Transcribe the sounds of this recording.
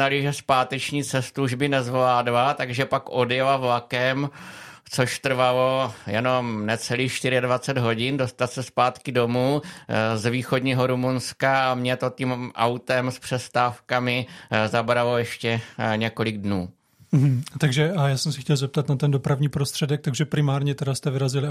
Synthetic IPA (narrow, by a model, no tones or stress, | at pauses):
alɪʒɛspaːt̪ɛt͡ʃɲiːt͡sɛst̪uuʒbɪnɛzvlaːdlat̪aɡʒɛpakʔo̞djɛlavlakɛmt͡so̞ʃt̪r̩valojɛno̞mnɛt͡sɛliːxʃt̪ɪɾɪadvat͡sɛd̪ɦo̞ɟɪndo̞st̪at̪sɛspaːt̪kɪdo̞muːzviːxo̞dɲiːɦo̞ɾumunskaamɲɛt̪o̞timʔa̰wt̪ɛmspr̥ɛst̪aːfkamɪzabɾalo̞jɛʃcɛɲɛko̞lɪɡdnuː | m̩ɦ̩t̪aɡʒɛajaːsɛmsɛxcʲɛlzɛp̚t̪at̪nat̪ɛndopɾavɲiːpɾost̪r̥ɛdɛk̚t̪aɡʒɛpɾɪmaːɾɲɛt̪ɛdast̪ɛvɪɾazɪlɪ